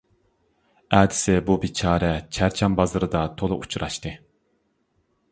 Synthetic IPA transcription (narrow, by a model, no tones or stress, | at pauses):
ɛːd̪ɪ̥sɪbubit͡ʃʰɑːɾɛt͡ʃʰæɾt͡ʃʰɛmbɑzɨɾɨd̪ɑt̪ʰolˠuʔut͡ʃʰɾɑʃt̪ɨ